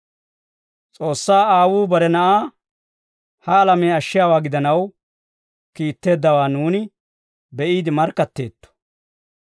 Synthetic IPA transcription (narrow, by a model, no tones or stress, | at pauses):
t͡sʼo̞ːsːaːaːwuːbɐɾɛnɐʔaː | hɐːlɐmeːɐʃːɪjaːwaːɡɪd̪ɐnɐw | kiːt̪ːe̞ːd̪ːɐwaːnuːnɪ | bɛʔiːd̪ɪmɐɾkːɐt̪ːe̞̰ːt̪ːɔ̥